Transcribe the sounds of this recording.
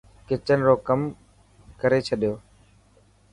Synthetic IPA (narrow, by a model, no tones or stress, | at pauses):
kɪt͡ʃənɾoːkəm | kəɾeːt͡ʃʰəɗjoː